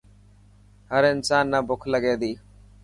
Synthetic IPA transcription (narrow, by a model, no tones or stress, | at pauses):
həɾɪnsaːnːəbʊkʰləɡeːd̪iː